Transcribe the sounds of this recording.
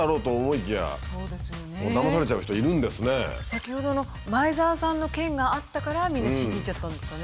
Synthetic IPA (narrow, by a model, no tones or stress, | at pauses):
aɾo̞ːt̪o̞ːmo̞ikʲija̰so̞ːd̪e̞sɨjomoːd̪amasaɾe̞t͡ɕaɯ̟çi̥t̪oiɾɯ̟̃nd̪e̞sɨne̞sakʲiho̞d̪o̞no̞ | maizaːsãnːo̞kẽ̞ŋɡaːt̪ːakaɾamʲĩnːɕĩɲd͡ʑit͡ɕat̪ːãnd̪e̞sɨ̥kane